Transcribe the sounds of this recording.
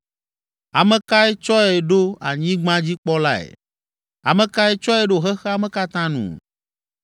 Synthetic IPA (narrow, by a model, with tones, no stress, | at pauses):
a˨mẽ˨ka˦e˦t͡ʃɔ˦e˨ɖo˦a̰˨ɲĩ˦ɡ͡bã˦d͡ʑi˦k͡pɔ˦la˦ḛ˨ | a̰˨mẽ˨ka˦e˦t͡ʃɔ˦e˦ɖo˦˨ɦe˦xe˦a˨mẽ˦ka˦t̪ã˦nṵ̃˨